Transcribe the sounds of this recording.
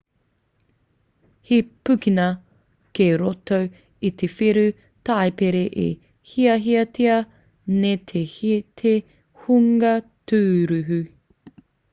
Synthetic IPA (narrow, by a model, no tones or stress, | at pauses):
hipʉkinɐ | keɾotow | it̪ʰefiɾʉ | tɐjpeɾeʔḛ | hiɐɦiɐtʰiɐ | net̪ʰehitʰe | huŋɐtʰʉːɾʉɦʉ